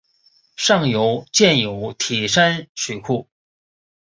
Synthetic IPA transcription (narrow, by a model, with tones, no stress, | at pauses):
ʂɑ˥˩ŋjo˧˥ʊt͡ɕjɛ˥˩njo˨˩˦ʊt̪ʰi˨˩ʂa˥nɕʰy˨˩kʰu˥˩